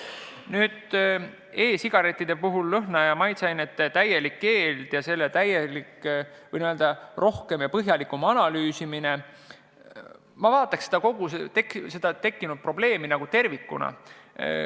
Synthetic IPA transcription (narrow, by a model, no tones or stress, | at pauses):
nyːd̪̥ | e̞ːsiɡ̥ɑɾe̞t̪ˑːid̪̥e̞puɦulːɤɦnɑjɑmɑjt̪sɑjnet̪ːt̪æje̞likːe̞ːld̪̥jɑse̞lːet̪æjelik | vɤ̰jnyøld̪ɑrʔo̞hke̞mjɑpɤɦjɑlikːˑumɑnɑlyːsimine̞ | mɑvɑːt̪ːˑɑksed̪ɑko̞ɡ̥uset̪ekse̞d̪̥ɑt̪e̞kːinud̪̥̚pro̞ble̞ːminɑɡ̥ut̪e̞rvikːˑṵnɑ̰